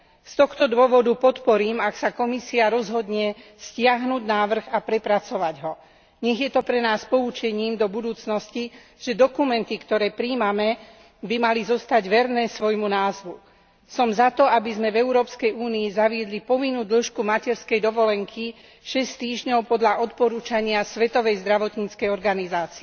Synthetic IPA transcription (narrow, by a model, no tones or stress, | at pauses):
st̪ɔxt̪ɔd̪ʊɔʋɔd̪upɔt̪pɔɾiːmaksakɔmisiaɾɔzɦɔd̪ɲɛscɪaɦnuːɟnaːʋr̩ɣapɾɛpɾat͡sɔʋaɟɦɔ | ɲɛɣjɛt̪ɔpɾɛnaːspɔut͡ʃɛɲiːmd̪ɔbud̪uːt͡snɔsci | ʒ̥ɛd̪ɔkumɛnt̪ikt̪ɔɾɛːpɾiːmamɛ | bimalizɔst̪aɟʋɛɾnɛːsʋɔjmunaːzʋu | sɔmzat̪ɔabizmɛvɛʊɾɔːpskɛjuːniːzaʋɪɛd̪lipɔʋinːuːd̪l̩ʃkumacɛɾskɛjd̪ɔʋɔlɛŋkʰi | ʃɛst̪iːʒɲɔʊpɔd̪ʎaʔɔt̪pɔɾuːt͡ʃaɲɪasʋɛt̪ɔʋɛjzd̪ɾaʋɔt̪ɲit͡skɛjɔɾɡanizaːt͡siɛ